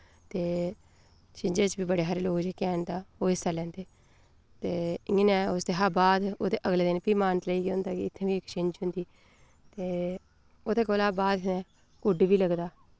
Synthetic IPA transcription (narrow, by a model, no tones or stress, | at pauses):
t̪eː | t͡ʃɪ̃ɲd͡ʒeːt͡ʃbiːbəɽeːɦəɾeloːkd͡ʒeːkɛːnt̪aːoːɪst̪aːlɛ̃ːnd̪eː | t̪eːɪẽnɛ̃ːʊsd̪eːɦaːbaːd̪oːd̪eːʔəɡleːd̪ɪnpiːmaːnt̪ləiːɡeʊ̃nd̪aːkiɪt̪ʰːẽːʋiːɪkt͡ʃɪ̃ɲd͡ʒɦʊ̃nd̪iː | t̪eː | oːd̪eːkoːlaːbaːd̪nɛː | kʊɖʋiːləɡd̪aː